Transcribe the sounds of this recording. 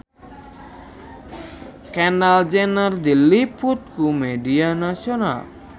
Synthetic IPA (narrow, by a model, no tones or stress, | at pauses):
kɛnald͡ʒenaɾd̪ilːipʰuʈkumeɖianasɔna̰l